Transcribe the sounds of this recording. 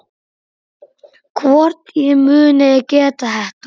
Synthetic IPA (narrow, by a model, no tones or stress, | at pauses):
kʰvɔɾt̪imʏːnaɛcɛːt̪aɦɛht̪